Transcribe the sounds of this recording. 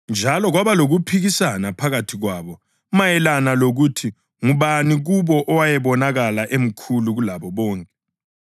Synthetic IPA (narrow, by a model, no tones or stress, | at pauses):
nd͡ʒʱalɔɣwaβaloɣupʰiɣisanapʰaɣatʰiɣwaβɔ | majɛlanaloɣutʰi | ŋuβaniɣuβɔʔɔwajɛβɔnaɣalaʔem̩kʰuluɣulaβɔβɔːŋkʼɛ